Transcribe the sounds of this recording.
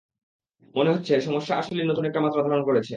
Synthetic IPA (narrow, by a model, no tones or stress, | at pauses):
moneɦotːɕʰeʃɔmoʃːaaʃolenot̪unek̚ʈamat̪ɾad̪ʱaɾonkoɾet͡ɕʰe